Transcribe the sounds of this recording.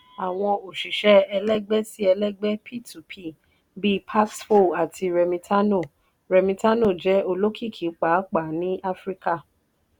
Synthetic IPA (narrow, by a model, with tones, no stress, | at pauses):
a˨w̃ɔ̃˧o˨ʃi˨ʃɛ˦ɛ˧lɛ˦ɡ͡bɛ˦si˦ɛ˧lɛ˦ɡ͡bɛ˦pʰi˦˨tʰu˨pʰi˦˨ | bi˦˧pʰa˦sfo˦˨a˨tʰi˧ɾɛ˧mĩ˧tʰa˦no˦˨ | ɾɛ˧mĩ˧ta˦no˦˨d͡ʒɛ˦o˧lo˦ki˦˨kʰi˨˦k͡pa˨˦k͡pa˨nĩ˦ʔa˦fɾi˦ka˦˨